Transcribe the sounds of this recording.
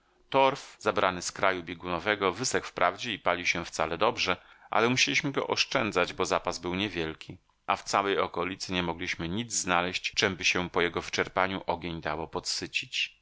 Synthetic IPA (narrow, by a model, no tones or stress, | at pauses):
t̪ɔɾfzabɾanɘskɾajubʲjeɡunɔvɛɡɔvɘsɛkfpɾʔavd͡ʑɛipalʲiwɕɛft̪salɛd̪ɔbʐɛ | ʔa̰lɛmuɕelʲiɕmɘɡɔ̰ʔɔʂt͡ʂɛnd̪zad͡ʑbɔzapazbɘwɲɛvʲjɛlkʲi | ʔaft̪sawɛjɔkɔlʲit̪sɘɲɛmɔɡlʲiɕmɘɲid̪zznalɛɕt͡ɕt͡ʂɛmbɘɕɛpɔjɛɡɔvɘt͡ʂɛɾpaɲuʔɔɡʲeɲd̪awɔpɔt̪sɘt͡ɕit͡ɕ